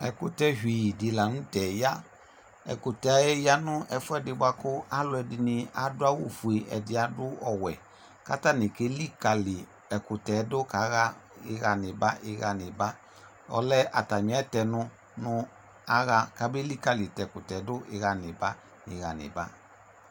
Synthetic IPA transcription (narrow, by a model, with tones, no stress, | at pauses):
ɛ˨kʊ˦tɛ˦ɦiː˨dɪ˨la˨nʊ̃˦tɛ˨ja˦ | ɛ̰˨kʊ˨tɛ˨a˨˦jɛ˦ja˦nʊ˦ʔɛ˨˧fʊ˦ɛ˦dɪ˧˦ba˧kʊ˦a˦lʊ˦ɛ˨dɪ˧nɪ˧a˨dʊ˦a˦wo˦˨fu˨e˨ʔɛ̰˨dɪ˨a˨dʊ˦ɔ˨wɛ˨ | ka˦ta˦˨nɪ˨ke˦li˦ka˨lɪ˨ | ɛ˨kʊ˨tɛ˨˦dʊ˦ka˨˦ɣa˦ɪ˨˦ɣa˨nɪ˨ba˦ʔɪ˧ɣa˨nɪ˨ba˦ | ɔ̰˨˦lɛ˦ʔa˨ta˨ɲ˨˦ɛ˦tɛ˨nʊ˧ | nʊ˦ | a˦ɣa˦ka˦be˦li˦ka˨lɪ˨tɛ˨kʊ˨tɛ˨˦dʊ˦ʔɪ˧ɣa˨nɪ˨ba˦ | ɪ˨ɣa˨nɪ̰˨ba̰˦